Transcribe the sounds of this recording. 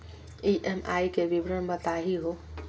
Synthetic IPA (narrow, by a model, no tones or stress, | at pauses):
iʔemaːikeʋibɾəɳbət̪aːɦiɦo